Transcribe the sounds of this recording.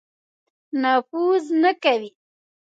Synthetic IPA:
nafuznakawi

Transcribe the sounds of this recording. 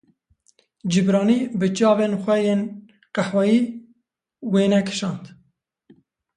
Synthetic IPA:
d͡ʒɨbɾɑːniːbɨt͡ʃɑːveːnxʷɛjeːn | qaħwɑjiː | weːnɛkʰɨ̥ʃɑːnt̪

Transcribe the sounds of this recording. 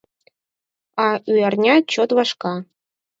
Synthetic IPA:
ɑyjɑrnʲɑt͡ɕot̪ʋɑʂkɑ

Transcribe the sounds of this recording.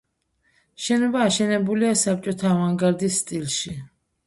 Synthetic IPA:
ʃɛnɔbaːʃɛnɛbuliasap̚t͡ʃʼɔt̪ʰaːvaŋɡaɾd̪isːt̪ʼilˠʃi

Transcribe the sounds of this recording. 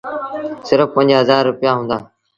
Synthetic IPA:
sɪɾəfpə̃ɲd͡ʒɦəzaːɾːʊpjaːɦũːnd̪aː

